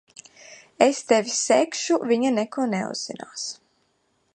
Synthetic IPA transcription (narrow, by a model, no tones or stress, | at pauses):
est̪ɛvʲisːekʃuviɲanɛkuɔnɛṵzz̥ina̰ːs